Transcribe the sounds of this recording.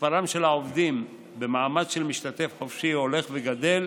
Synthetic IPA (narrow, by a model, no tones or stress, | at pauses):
paʁamʃe̞laovd̪im | be̞maːmad̪ʃe̞lmiʃt̪at̪e̞fħofʃio̞le̞χveɡad̪e̞l